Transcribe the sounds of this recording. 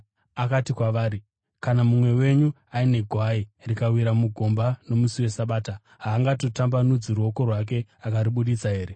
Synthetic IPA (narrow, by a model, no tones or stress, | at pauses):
akatikwaʋaːɾi | kanamumwe̞we̞ɲu | aine̞ɡʱwairikawiɾamuɡʱo̞mbano̞musiwe̞saɓaːta | ɦaːŋɡato̞tambanud͡ziruo̞ko̞rwak̬e̞akaɾiɓuɗit͡saɦe̞ːɾe̞